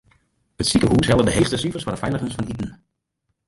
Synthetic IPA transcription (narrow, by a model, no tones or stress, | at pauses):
ɦətsikəɦusɦɛlˠdəndəɦejstəsifəɹsfɑɹdəfɛjləχənsfɑnidən̩